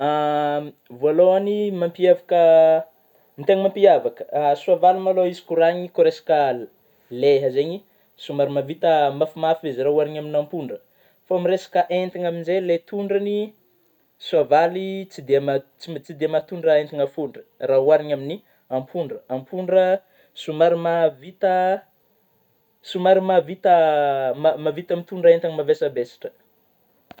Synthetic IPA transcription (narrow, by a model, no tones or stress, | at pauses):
a | valoanimampiavakə | mit̪eŋimampiavakə̥suavalimaloizi̥kuɾaɲikoɾesḁkəl | leɦəzeɲi | sumaɾimavit̪əmafimafiezirauaɾiɲaminampuɳɖ͡ʐə | faamiresḁkəʔent̪iɲaminzelet̪uɳɖ͡ʐəni | suavalit͡sid̪emat͡sit͡sid̪emat̪uɳɖ͡ʐaent̪iŋafuɳɖ͡ʐə̥raɦuaɾiɲamini | ampʰuɳɖ͡ʐəampʰuɳɖ͡ʐə | sumaɾimavit̪ə | sumaɾimavit̪əmmavit̪amit̪uɳɖ͡ʐaent̪iŋmavesəbesḁʈ͡ʂə̥